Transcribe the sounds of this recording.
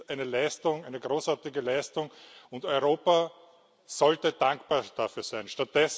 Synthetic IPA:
ʔæɪnəlæɪstʊŋæɪnəɡʁoːsaɐtɪɡəlæɪstʊŋʊntɔʏʁoːpa | zɔltəd̥ãŋkb̥aːɐd̥afyːɐsæɪnʃtat̚ːɛs

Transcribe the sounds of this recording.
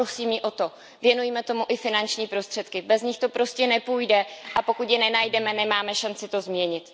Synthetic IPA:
osiːmjɪʔo̞t̪o̞ | vjɛnujimɛt̪o̞muʔɪfɪnant͡ʃɲiːpɾo̞st̪r̥ɛt̪kɪbɛzɲɪxt̪o̞pɾo̞scɛnɛpuːjdɛʔapo̞kut̪jɛnɛnajdɛmɛnɛmaːmɛʃant͡sɪt̪o̞zmɲɛɲɪt̪

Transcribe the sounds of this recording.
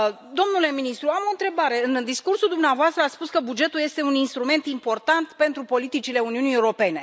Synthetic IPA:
d̪o̞mnule̞minist̪ɾuamo̞nt̪ɾe̞baɾe̞ɨnd̪iskursuld̪umneavoast̪ɾəat̪spuskəbud͡ʒe̞t̪ulje̞st̪e̞uninst̪ɾume̞nt̪impo̞rt̪ant̪pe̞nt̪ɾupo̞lit̪it͡ʃile̞uniunie̞uɾo̞pe̞ne̞

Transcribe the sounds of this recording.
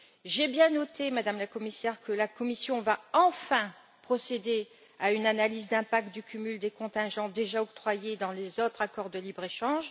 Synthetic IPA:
ʒebjɛ̃nɔt̪ʰemad̪amlakɔmisɛʁkəlakɔmisjɔ̃vaɑ̃fɛ̃ | pχɔsed̪e | aynanalizd̪ɛ̃pak̚t̪̚d̪ykʲymyld̪ekɔ̃t̪ɛ̃ʒɑ̃d̪eʒaɔk̚t̪χwajed̪ɑ̃lezot̪χakɔʁd̪əlibʁeʃɑ̃ʒ

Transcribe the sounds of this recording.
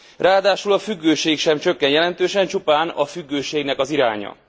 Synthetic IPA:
rʔaːd̪aːʃulɒfyɡːøːʃeːkʃɛmt͡ʃø̞kːɛnjɛlɛnt̪øːʃɛnt͡ʃupaːnɒfyɡːøːʃeːɡnɛkɒziɾaːɲɒ̰

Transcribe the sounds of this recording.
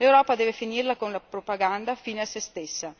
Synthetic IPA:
lewɾɔːpad̪ɛːvefinirlakonlapɾopaɡand̪afiːneasest̪esːa

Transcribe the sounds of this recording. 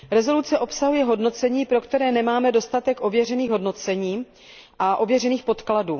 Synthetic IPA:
ɾɛzo̞lut͡sɛʔo̞psaɦujɛɦo̞dno̞t͡sɛɲiːpɾo̞kt̪ɛɾɛːnɛmaːmɛdo̞st̪at̪ɛkʔo̞vjɛrɛniːɣɦodno̞t͡sɛɲiː | ʔaʔo̞vjɛrɛniːxpo̞t̪kladuː

